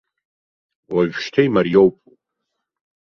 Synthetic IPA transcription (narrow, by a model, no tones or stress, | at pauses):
waʒᶣʃtʰajmarjowpʼu